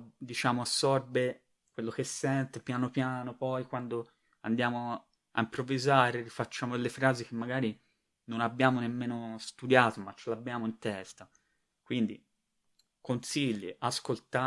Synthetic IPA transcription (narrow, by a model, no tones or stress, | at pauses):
d̪it͡ʃaːmoasːɔrbe | kwelːok̟esːɛnt̪epjaːnopjaːnopɔjkwand̪o | a̰nd̪jaːmo | a̰impɾovːizaːɾerifat͡ʃːaːmod̪elːefɾaːzik̟emːaɡaːɾi | nonabːjaːmonemːeːnost̪ud̪jaːt̪omat͡ʃːelabːjaːmoint̪ɛst̪a | kwind̪ḭ | konsiʎːḭʔaskolt̪a